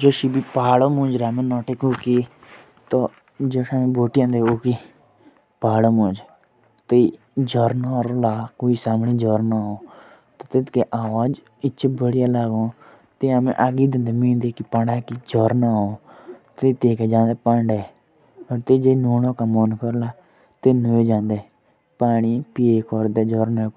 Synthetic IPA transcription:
d͡ʒoːʃiːbipaːɽoːmʊ̃ːd͡ʒɾaːmẽːnɔːʈekoːkiː | t̪oː | d͡ʒoːʃamẽːboːʈjãːd̪eːoːkiː | paːɽoːmõːd͡ʒ | t̪əi | d͡ʒɔːɾnaːɾolaːkoːisaːmɽĩːd͡ʒɔːɾnaːɦõː | t̪ot̪et̪keʔaːʋaːd͡ʒ | ɪtːt͡ʃebəɽijaːlaːɡõː | t̪eːamḛ̃ʔaɡiːd̪ɪ̃nd̪emĩːnd̪eːkipãɳɖaːkid͡ʒɔːɾnaːɦõːt̪et̪eːkeːd͡ʒãːnd̪eːpaɳɖeː | ɔːt̪eːd͡ʒeːnoːnõːkamɔːnkəɾlaː | t̪eːnəed͡ʒãːnd̪eː | paːɳ̃iːpieːkɔɾd̪eːd͡ʒɔːɾneː

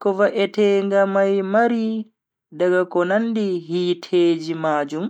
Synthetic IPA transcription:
kɔvaʔɛtɛːŋɡamajmaɾi | daɡakɔnandiɦiːtʰeːd͡ʒimaːd͡ʒum

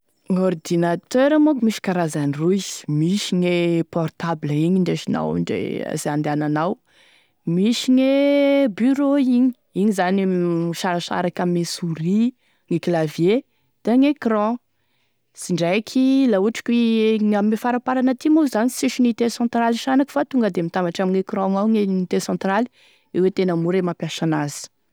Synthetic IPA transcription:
ŋord̪inat̪øɾamokumiʃi̥kaɾazaniruiz̥miʃiŋepɔrt̪abləiɲiɳɖ͡ʐeʃina̰wɳɖ͡ʐḛa̰zeãnd̪eananaw | miʃiɲebyɾoiɲi̥ | iɲizaniʃaɾaʃa̰ɾakamesuɾi | ŋeklavje | d̪̥eŋekrɔ̃ | siɳɖ͡ʐajkʲʰilauʈ͡ʂi̥kʲweŋamimefaɾapaɾanət̪imuzanisiʃinit̪esɑ̃nt̪ɾaliʃanaki̥fat̪uŋɡəd̪emit̪ambaʈ͡ʂamiɲekɾɔ̃ŋawŋenit̪esɑ̃nt̪rali̥ | ewet̪enəmuɾemapjasanazə̥

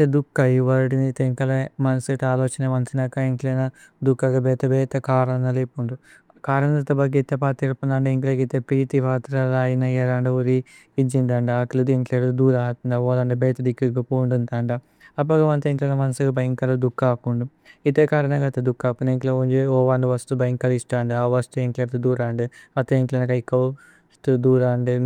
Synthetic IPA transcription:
t̪ed̪ukːɐjiʋɐɾiʈinit̪eŋkɐlemɐnɐsiʈaːloːt͡ʃɐneʋɐnt̪ʰinɐkɐeŋklɐnɐ | d̪ukːɐɡɐbɛːt̪ɐbɛːt̪ɐkaːɾɐnɐlipuɳɖu | kaːɾɐnɐt̪ɐbɐɡit̪ːepaːt̪iɾpund̪aːɳɖeŋkleɡit̪epɾiːt̪iʋaːt̪ɾɐlaːjinɐjɐɾaɳɖɐuɾi | id͡ʒind̪aːɳɖɐaklud̪eŋkleːɾd̪ud̪uːɾaːt̪und̪aoːlaːɳɖubeːt̪ɐd̪ikːiɡɐpoːɳɖunt̪aːɳɖɐ | ɐp̬ːɐɡɐʋɐnt̪eŋklenɐmɐnɐsuɡɐbɐjŋkɐlɐd̪ukːaːkuɳɖu | it̪eːkaːɾɐnɐɡɐt̪ɐd̪ukːaːpːuneŋklouɲd͡ʒeoːʋaːɳɖuʋɐst̪ubɐjŋkːɐlisʈaːɳɖɨaːʋɐst̪ueŋkleːɾt̪ud̪uːɾaːɳɖɨɐt̪eːŋklenɐkɐjkːɐw | st̪ud̪uːɾaːɳɖɨ

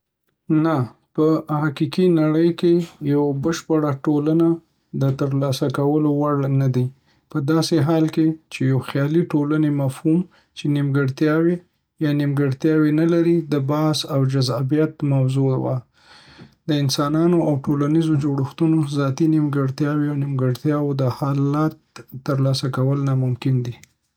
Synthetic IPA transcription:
napəhaqikinaɽəjkejawabəʃpəɽaʈolana | d̪ət̪əɾlɑsakawəlowaɽnad̪i | pəd̪ɑseɦɑlket͡ʃejawxjɑliʈolanemafhum | t͡ʃenimɡəɽt̪jɑwe | jɑnimɡəɽt̪jɑwenalaɾid̪əbɑsawd͡ʒazɑbijat̪mawzowa | d̪əɪnsɑnɑnoawʈolanizod͡ʒoɽəxt̪unozɑt̪inimɡəɽt̪jɑweawnimɡəɽt̪jɑwod̪əhɑlat̪ːəɾlɑsakawəlnamʊmkɪnd̪i

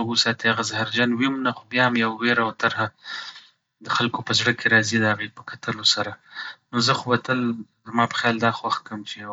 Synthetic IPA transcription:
ɡusɑt̪iaɣazahaɾd͡ʒɑnwimnaxobjɑhamjawːeɾawt̪aɾha | d̪əxalkopəzɽəkʰeɾɑzid̪əhaɣepəkat̪ʰəlosaɾanozəxowat̪əl | zmɑpə̥xjɑld̪ɑxwaxkəmt͡ʃe

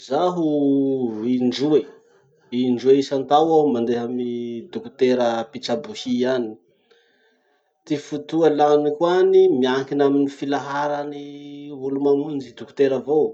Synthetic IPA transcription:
zaɦu | iɳɖ͡ʐue | iɳɖ͡ʐueisant̪awawmand̪eɦamid̪uku̥t̪eɾəpit͡sabuhiani̥ | t̪ifut̪ualanikwanimiaŋkinaminifilaɦaɾanivulumamund͡ʒid̪uku̥t̪eɾavo

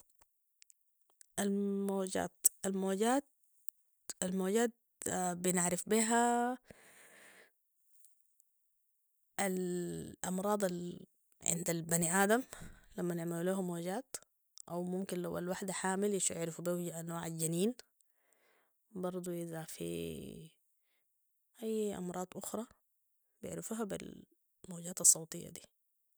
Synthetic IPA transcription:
ʔalmoːɟa̰ːt̪ʔalmoːɟaːt̪̚ | almoːɟaːt̪̚ | bɪnɪʕɾɪfbiːɦa | ʔalʔɑmɾˤɑːd̪ˤal | ʕɪ̰nd̪albaniʔaːd̪amlamːanɪʕmaluleːɦumːoːɟaːt̪ | ʔawmʊmkinlawa̰lwaħd̪aħaːmɪlɪʃɪ̰ʕɾɪfubianoːʕalɟaniːn | bɑɾˤd̪ˤuʔɪðafḭ | ʔajːʔɑ̰mɾˤɑːd̪ˤʔʊxɾˤɑ | bijɪ̰ʕɾɪfuːhabḭl | moːɟaːt̪ɑsˤːɑwt̪ˤɨjːa̰d̪ḭː

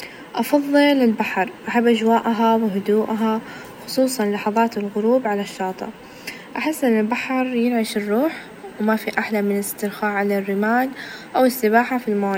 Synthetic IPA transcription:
ʔɑfɑðˤːɨlɪlbaħɾˤʔaħabːʔad͡ʒwaːʔaɦawɪɦʊd̪uːʔaɦa | xʊ̥sˤuːsˤɑnlɑħɑðˤɑːt̪ɪlɣʊɾuːbʕalaʃːɑːt̪ˤɑ̰ | ʔaħɪsːʔɪnːɪlbaħɾˤjɪnʕɪʃɪrːuːħ | wmafiʔaħlamɪnlɪst̪ɪɾxaːʕalarːɪmaːnʔawɪsːɪbaːħafilma

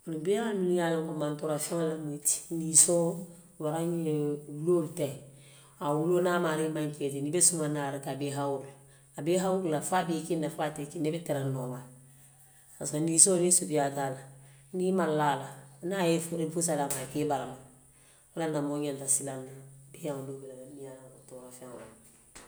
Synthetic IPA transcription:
onibeaminijalõkomãntoɾafɛ̃ŋalamuiti̥niso | waɾãɲeuloltɛ | awulonamaɾimãŋketenibɛsumãnaɾikabeɦawuluː | beɦawululafabekenafatekinebɛtɛɾɛnɔma | paskanisonesubijataːlanimalaːlanajefuɾifus̬alamakebaɾama | olanamoɲɛntasilanubeãŋulobilalanijalaotoːɾafɛ̃ŋo̰

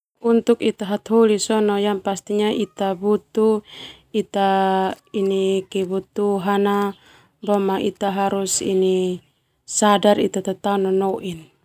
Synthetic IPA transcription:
unt̪ukit̪aɦat̪ɦolisɔnɔjanpast̪iɲaʔit̪abut̪u | it̪a | inikɛbut̪uɦana | bɔmaʔit̪aɦaɾusḭni | sadarḭt̪at̪at̪aunɔnɔʔin

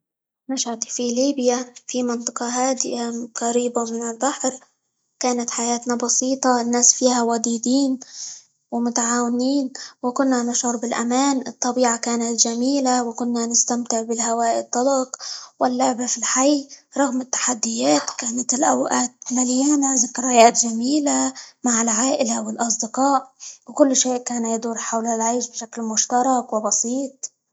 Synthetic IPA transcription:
naʃhad̪filiːbjafimɪnt̪ˤɑ̥qɑɦaːd̪ɪaqaɾiːbamɪnɪlbaħɾ | kaːnat̪ħajaːt̪nabɑsiːt̪ˤɑɪnːaːsfiːhawad̪iːd̪iːn | wɪmʊt̪aʕaːwɪniːnwɪkʊnːanɪʃʕʊɾbɪlʔa̰maːnɨt̪ˤːɑbiːʕakaːnat̪ʒamiːlawkʊnːanɪst̪amt̪ɪʕbɪlhawaːʔɪ̰t̪ˤːɑlɑqwʔalːabafilħajːɾˤɑɣmɪt̪ːḁħad̪ːɪjaːt̪kaːnat̪ɪlʔa̰wʔaːt̪̚nalɪjaːnazakːɑɾˤajaːt̪ʒamiːlamaʕɪlʕaːʔɪlawɪlʔɑs̬ˤd̪ɪqɑːʔwkʊlːʃeːʔkaːnajad̪uːɾħawlalʕejʃbɪʃaklmʊʃt̪ɑɾˤɑkwɪbɑsiːt̪̚ˤ

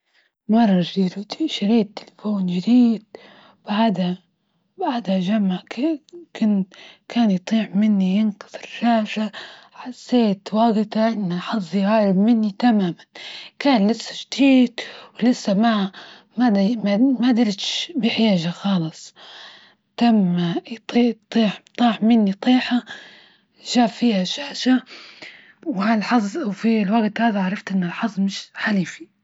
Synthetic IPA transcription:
mɑrˤːɑʒiːɾuiʃaɾiːt̪ːɪlafoːnjɪɾiːd̪ | b̥aʕd̪ha | baʕd̪haʒamːakʊnkʰaːnjt̪ˤiːʕmɪnːijɪnkʊ̥ðˤɨɾʃaːʃaħasːeːt̪wɑːɡɪt̪aʔɪnːaħɑzˤjʕaːɾɪbmɪnːit̪amaːmankaːnlɪsːḁʃt̪iːt̪wlɪsːama | mad̪mmad̪ɪlt̪ʃbɪħɪjaːʒaxɑːlɨsˤ | t̪amːajt̪ˤːt̪ˤiːħt̪ˤɑːħmɪnːit̪ˤiːħa | ʒaːfiːhaʃaːʃa | wɪhalħɑzˤːʔawfilwaɡt̪haːðaʕɑɾˤɑft̪ʔɪnːɪlħɑzˤmɪʃħaliːfi̥

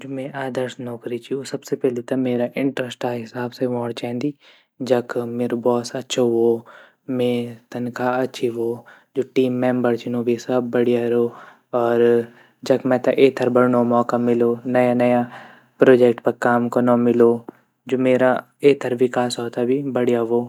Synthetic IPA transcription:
d͡ʒoːmɛ̃ʔaːd̪əɾsnɔːkɾit͡ʃiosɐbsepɛːlet̪ɐmeːɾaʔɪ̃ɳʈɾəsʈaːɦɪsaːbseʋɔːɽt͡ʃɛ̃ːnd̪iː | d͡ʒɐkmeːɾobɔːsɐtːʃʰoɦoː | mẽt̪ɐnkaɐtːʃʰiʋoː | d͡ʒoːʈiːmːɛ̃ːmbəɾt͡ʃɪnõbʱisɐbːɐɽijaɾo | ɔːɾ | d͡ʒɐkmɛ̃t̪ɐʔeːt̪ʰɐɾbɐɽnomɔːkamɪlonɐjanɐja | pɾoːd͡ʒekʈpɐɾkaːmkonõmɪloː | d͡ʒoːmeːɾa | eːt̪ʰəɾʋɪkaːsɦoːt̪abʱibɐɽijaʋoː

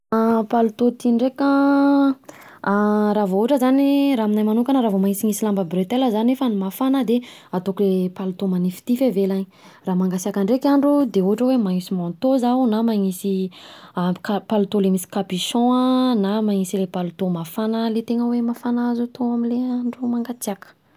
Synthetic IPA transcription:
apalut̪ot̪iɳɖ͡ʐekə | ɾavouɦʈ͡ʂəzaniraminajmanukanaɾavomaŋisiŋisilambəbret̪eləzanefənimafanəd̪eat̪okulepalut̪omanifi̥t̪ifevelaɲi | raːmaŋɡasiakaɳɖ͡ʐekʲaɳɖ͡ʐud̪euɦaʈ͡ʂəwemaŋisimɔ̃nt̪ozaunamaŋisiakapalut̪olemisi̥kapiʃɔ̃namaŋisilepalut̪omafanəlet̪eŋəwemafanazut̪ʰoamileaɳɖ͡ʐumaŋɡat͡siakə̥

